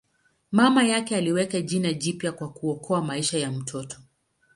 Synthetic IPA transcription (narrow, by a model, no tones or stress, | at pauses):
mamajakɛaliwɛkaʄinaʄipjakwakuɔkʰɔamaiʃajam̩tʰɔtɔ̥